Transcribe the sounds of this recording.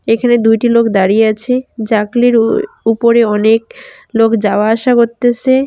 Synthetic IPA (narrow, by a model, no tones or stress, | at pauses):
ekʰaned̪ujʈilokʰd̪aɾijeat͡ɕʰed͡ʑakliɾ | upoɾeɔnek̚ | lokd͡ʑaoaaʃakoɾt̪ːet͡ɕʰe